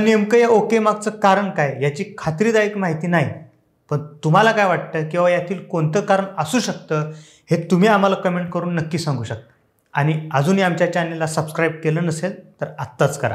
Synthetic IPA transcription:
aniemkəjaokemaɡ̚t͡səːkaɾəɳkajjat͡ɕiːkʰat̪ɾiːd̪aekmaɦit̪iːnaɦi | pəɳt̪um̤alakajʋaʈ̚t̪əkĩw̃ʋajat̪ʰiːlkoɳt̪əkaɾəɳəsuːɕək̚t̪əː | het̪um̤iːam̤alakəmeɳʈkəɾuːnːəkːiːsãŋɡʱuːɕək̚t̪ə | aɽ̃iəd͡zuːniamt͡ɕjat͡ɕanelasəbskɾajb̚keləːnəselt̪əɾat̪ːat͡skəɾa̰

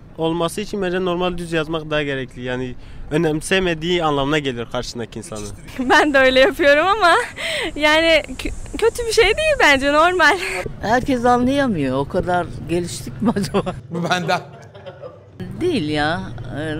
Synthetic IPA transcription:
o̞lˠmasɯit͡ʃʰinbænd͡ʒɛno̞ɾmalʲd̪yzjazmak̚d̪aɦaɟe̞ɾɛcʰlʲijaːni | ønɛmlʲisɛmed̪iːanlˠamɯnaɟe̞lijo̞ɾkʰaɾʃɯ̥sɯnd̪akinsanɯ | bænd̪ɛø̞jlʲɛjapʰɯjo̞ɾumamajaːnɪcʰø̞t̪ʰybiʃejd̪ejilʲbænd͡ʒɛno̞ɾmalʲhæɾcʰɛs̬anlːˠajamɯjookʰad̪aɾɟe̞lʲiʃt̪ʰicmad͡ʒamabubænd̪ɛ | d̪ejilʲjaː

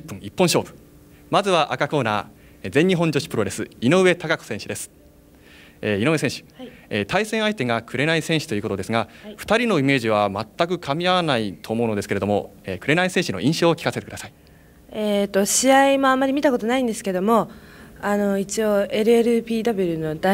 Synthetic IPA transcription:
pːɯ̃ŋ̃ipːõ̞ɰ̃ɕo̞ːbɯ̟̥ | mazɨβaʔakako̞ːna̰ː | zẽ̞ɲ̟ːiɦõ̞ɲd͡ʑo̞ɕi̥pɯ̟ɾo̞ɾe̞sɨino̞ɯ̟βe̞t̪akako̥sẽ̞ɕid̪e̞sɨ̥ | eːinoɯesẽ̞ɕi̥et̪ʰaisẽɰ̃ait̪e̞ŋakɯ̟ɾe̞naisẽ̞ɰ̃ɕi̥t̪o̞jiɯ̟kot̪oesɨŋaɸɯ̥t̪aɾʲino̞ime̞ːʑiβ̞amat̪ːakɯ̟kʰamʲiaβanait̪ʰoːmo̞ɯno̞d̪esɨkee̞d̪o̞mo̞̰eːkɯ̟ɾe̞naisẽɕino̞̰ʔĩɕo̞ːokʲi̥kaset̪e̞kɯd̪asai̥ | et̪o̞ɕiaimo̞ãmːaɾʲimʲit̪ako̞t̪onaĩnd̪e̞sɨ̥ke̞d̪o̞mo̞ano̞it͡ɕio̞e̞ɾɯ̟eɾɯ̟pʲiːd̪abʲeɾɯ̟no̞d̪a

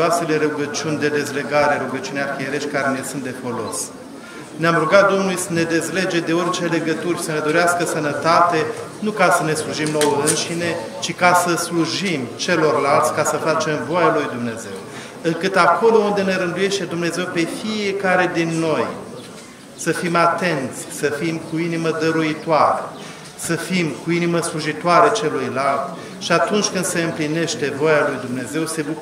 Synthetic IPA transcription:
ase̞le̞ɾuɡət͡ʃiunʲd̪e̞d̪e̞zle̞ɡaɾe̞ɾuɡət͡ʃiunearkieɾe̞ʃt̪̚ʲkaɾe̞ne̞sunt̪̚d̪e̞fo̞lo̞̰s | neamɾuɡat̪̚d̪o̞mnulujsəne̞d̪e̞zle̞d͡ʒe̞d̪eo̞rt͡ʃe̞le̞ɡət̪urʲsəne̞d̪o̞ɾeaskəsənət̪at̪e̞nukasəne̞sluʒimno̞wəɨnʃine̞ | t͡ʃikasəsluʒimt͡ʃe̞lo̞rlalt̪sʲkasəfat͡ʃe̞mvoajalujd̪umne̞ze̞̰w | ɨŋkɨt̪akʰo̞lo̞und̪e̞ne̞ɾɨnd̪uje̞ʃt̪e̞d̪umne̞ze̞wpe̞fie̞kaɾe̞d̪inːo̞j | səfimat̪e̞nt̪sʲsəfimkuiniməd̪əɾuit̪oaɾə̰ | səfimkuiniməsluʒit̪oaɾet͡ʃe̞lujlalt̪ | ʃiat̪unt͡ʃʲkɨnd̪se̞ɨmpline̞ʃt̪e̞vojalujd̪umne̞ze̞wse̞bu

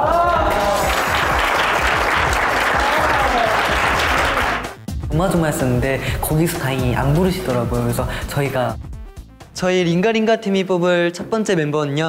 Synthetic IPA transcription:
ʌmad͡ʑoŋaɦes͈ʌnːɯnde̞kʌɡisʰo̥taɦeŋiʔa̰nbuɾɯɕʰidʌɾaɡojokɯɾesʰʌt͡ɕʌiɡa | t͡ɕʌiɾiŋɡaɾiŋɡatʰimip͈obɯɭt͡ɕʰʌt̚p͈ʌnt͡ɕ͈e̞menbʌnɯɲʌ

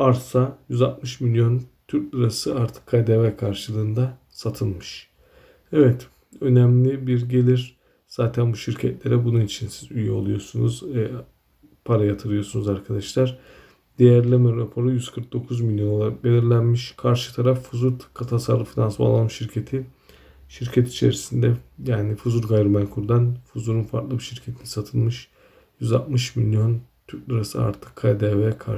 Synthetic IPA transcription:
aɾsajyzat̪mɯʃmilʲjo̞nt̪ʰyɾt̪ˠɯɾasɯaɾt̪ʰɯ̥kʰːajd̪evɛkʰaɾʃɯlˠɯːnd̪a | sat̪ʰɯnˠmɯʃ | ɛvɛt̪ | ø̞næmlʲibiɾɟe̞lʲiɾ | z̥aːt̪ʰænbuʃiɾcʰɛt̪lʲe̞ɾɛbununit͡ʃʰinsizyjɛo̞lˠujo̞ɾsunuzɛ | pʰaɾajat̪ʰɯɾɯjo̞sunuzaɾkʰad̪aʃlˠaɾ̥ | d̪̥ejæɾlʲemɛɾapʰo̞ɾujyz̥kʰɯɾk̚d̪o̞kʰuzmilʲjo̞nolˠaabe̞lʲiɾlʲænmiʃkʰaɾʃɯt̪ʰaɾafːuzuɾt̪ʰkʰat̪ʰasaɾlˠɯfinansba̰lˠːamʃiɾcʰet̪ʰi | ʃiɾcʰɛt̪ʰi̥t͡ʃʰe̞̰ɾisind̪ɛjaːnifuzuɾɡajɾumænkʰuɾd̪anfuzuɾunfaɾt̪lˠɯbiʃiɾcʰe̞t̪ʰini̥sat̪ʰɯnˠmɯʃ | jyza̰lˠt̪mɯʃmilʲjo̞nt̪ʰyɾtlaɾasɯa̰ɾt̪ʰɯ̥kʰːajd̪evɛkʰa

